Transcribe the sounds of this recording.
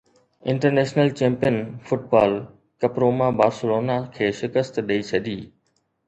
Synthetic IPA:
ɪ̃ɳʈəɾneːʃnəlt͡ɕẽːmpijənfʊʈ̚baːl | kɐpɾoːmãbaːɾsʊloːnakʰeːʃɪkəst̪ɗɐit͡ɕʰɐd̪ʱiː

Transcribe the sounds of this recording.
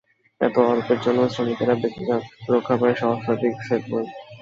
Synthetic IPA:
ɛ̰t̪oaɾopeɾd͡ʑonːosɾomikeɾabek̚t̪ʰik̪aɾokʰːapaeʃɔɦoʃot̪ikʃet̪boe

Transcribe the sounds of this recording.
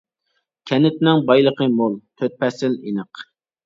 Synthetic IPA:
kʲʰɛnɪt̪nɪŋbɑjlˠəqəmolˠt̪ʰøt̪̚pʰɛsɪlinəq

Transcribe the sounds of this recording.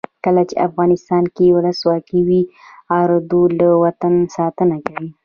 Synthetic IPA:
kəlat͡ʃḛa̰fɣɑnɪst̪ɑnkewʊləswɑkiwiɑɾd̪olawat̪ansɑt̪ənakawi

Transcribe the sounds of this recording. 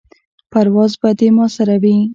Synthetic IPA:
paɾwɑzbad̪emɑsaɾawi

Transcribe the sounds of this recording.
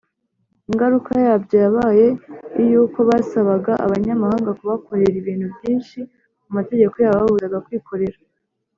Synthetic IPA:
iŋɡaɾukajabɟaaβaje̞ijuːko̞βasaβaɡaʔa̰βaɲamahaːŋɡakuβako̞ɾe̞ɾiβiːn̥hubjiːnʃi | umate̞ɟe̞ko̞jaβaβaβuɾaɡakwiːkʰo̞ɾe̞ɾa

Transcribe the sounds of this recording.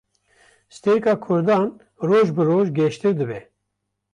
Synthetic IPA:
sɨ̥t̪eɾikɑːkʰʊɾd̪ɑːn | roːʒbɨɾoːʒɡʲɛʃt̪ɨɾd̪ɨbɛ

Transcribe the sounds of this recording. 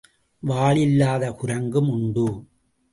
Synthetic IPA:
ʋaːɭɪlːaːðɐkʊɾɐŋɡɯmʊɳɖɯ

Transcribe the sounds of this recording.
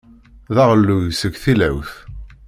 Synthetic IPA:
ðɑʁəlːujsəɡθilæ̰wθ

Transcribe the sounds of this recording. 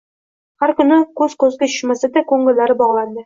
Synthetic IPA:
χæɾkɵ̆nɘkʉzqŏzɡɘɵ̆mɑ̆sɤd̪ækoŋɡɘ̆lːæɾɘbɒʁlˠɑnd̪ɤ

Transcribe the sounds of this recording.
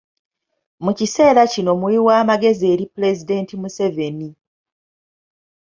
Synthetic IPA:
mucise̞ːɾacino̞muiwaːmaɡe̞zie̞ːɾipule̞zide̞ːntimuse̞ve̞ni

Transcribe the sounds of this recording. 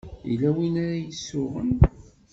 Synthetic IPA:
ḭlæwinaɾæjəsːʊʁə̰n

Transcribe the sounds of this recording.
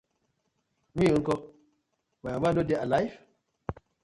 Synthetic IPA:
mĩjuŋkɔ | maamadodealajf

